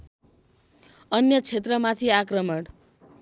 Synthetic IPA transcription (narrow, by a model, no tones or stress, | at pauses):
ʌnjʌt͡sʰet̪rʌmat̪ʰiakrʌmʌɽ